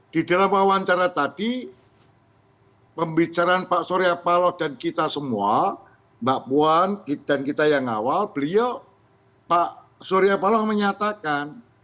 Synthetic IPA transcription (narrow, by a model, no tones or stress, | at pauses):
d̥idalamwawaɲt͡ʃaɾat̪ad̥i | pəmbit͡ʃaɾaːnpaʔsoɾiapalɔhd̥ankit̪asəmua | mbaʔpuankid̥ankit̪ajaŋa̰walb̥əliɔ | paʔ | soɾiapalɔhməɲat̪akan